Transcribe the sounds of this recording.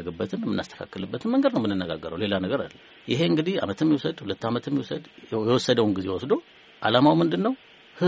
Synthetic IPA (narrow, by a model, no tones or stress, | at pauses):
əɡɨbːət̪ʰɨmɛmːɨnːa̰st̪ʰə̥kʰa̰kːɨlɨbːət̪ʰɨnməŋɡəd̪nəwmɨnːɨnːəɡaɡːəɾə̰wle̞lanəɡəɾalːə | jɪɦe̞ɨŋɡɨd̪iha̰mət̪ɛmːiwɔsəd̪hulət̪ːamət̪ɛmːiwɔsəd̪jɛwɔsːəd̪əwnɡizewɔsd̪o̞ | ʔalamawmɨnd̪ɨnːəw | hɨ